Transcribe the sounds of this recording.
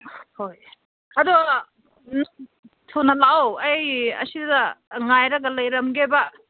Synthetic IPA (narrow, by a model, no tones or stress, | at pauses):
hoj | ɐdu | tʰownɐlawɐjɐ̰siddɐŋajɾɐɡɐlɐjɾɐmɡebɐ